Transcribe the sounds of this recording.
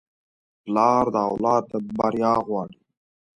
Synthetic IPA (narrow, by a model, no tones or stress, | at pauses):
plɑːɾd̪əawlɑːd̪̚t̪abaɾjɑːɣwɑːɽi